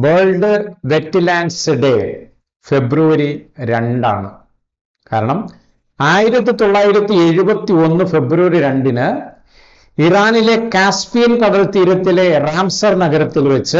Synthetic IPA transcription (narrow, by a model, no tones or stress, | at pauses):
beːɭɖɨʋetːɨlaːnɖsɨɖe | fe̞bruʋɐɾiɾeɳɖa̰ːɳɨ | kaːɾɐɳɐm | aːjiɾɐt̪ːit̪o̞ɭːaːjiɾɐt̪ːie̞ɻubɐt̪ːio̞nːɨfe̞bruʋɐɾiɾeɳɖinɨ | iraːnile̞kaːspijɐnkɐɽɐlt̪iːɾɐt̪ːile̞raːmsɐrnɐɡɐɾɐt̪ːilʋet͡ɕːɨ